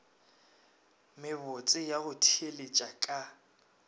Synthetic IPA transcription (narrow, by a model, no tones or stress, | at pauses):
mɪbot͡sʼɪjaɣʊtʰielet͡ʃʼakʼa